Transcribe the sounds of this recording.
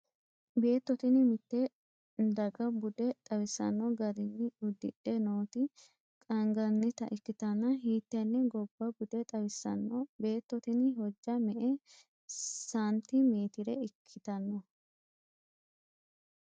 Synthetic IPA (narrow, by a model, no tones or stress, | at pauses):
be̞ːt̪ːɔt̪ɪnɪmɪt̪ːɛ | d̪ɐɡɐbʊd̪ɛt̪ʼɐwɪsɐ̰nːɔɡɐɾɪnːɪʊd̪ːɪ̰ᶑɛnoːt̪ɪ | kʼɐŋɡɐnːɪt̪ɐ̰ʔɪkːɪt̪ɐnːɐɦiːt̪ːɛnːɛɡɔbːɐbʊd̪ɛt̪ʼɐwɪsːɐ̰nːɔbe̞ːt̪ːɔt̪ɪnɪɦɔd͡ʒːɐmɛʔɛ | saːnt̪ːɪmeːt̪ɪɾɛɪkʰːɪt̪ɐnːɔ